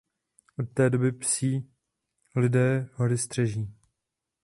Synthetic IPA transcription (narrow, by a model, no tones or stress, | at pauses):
ʔot̪̚t̪ɛːdo̞bɪpsiː | lɪdɛːɦoɾɪst̪r̥ɛʒiː